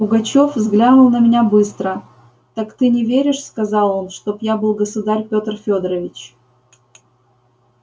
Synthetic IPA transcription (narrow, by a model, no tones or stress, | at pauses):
pʊɡɐt͡ɕo̞fvzɡlʲanʊlˠnəmʲɪnʲabɨst̪ɾə | t̪akt̪ɨnʲɪvʲeɾʲɪʂskɐzɑlˠo̞nʂt̪o̞pjabɨlˠɡəsʊd̪arʲpʲot̪rfʲod̪ɾəvʲɪt͡ɕ